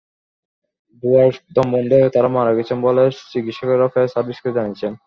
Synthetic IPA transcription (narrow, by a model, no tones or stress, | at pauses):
buaɾd̪ɔmːond̪eot̪aɾamaɾaɡet͡ɕʰenbolet͡ɕikit̪ʃɔkeɾɔfaesaɾbʱiskit̪d͡ʑanijet͡ɕʰen